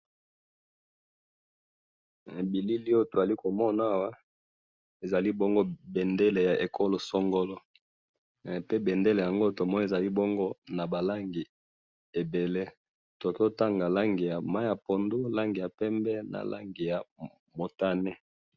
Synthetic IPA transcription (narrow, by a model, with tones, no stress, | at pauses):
e˨bi˨li˦li˦o˦˨to˨a˨li˦ko˨mɔ˦na˦˨wa˦ | e˨za˨li˦bo˦ŋɡo˦bɛ˨nde˦le˨ja˨ʔe˨kʰo˦lo˨sɔ˦ŋɡo˦lɔ˦˨ | pe˦be˨nde˦le˨ja˨ŋɡo˦to˨mɔ˦ni˨za˨li˦bɔ˦ŋɡo˦na˨ba˨la˦ŋɡi˨ | e˨be˨le˦ | to˨a˨ki˦o˦ta˦ŋɡa˨la˦ŋɡi˨ja˨ma˦ja˨po˨ndu˦la˦ŋɡi˨ja˨pɛ˦mbɛ˦na̰˨la̰˦ŋɡi˨ja˨ | mo˨ta˦ne˦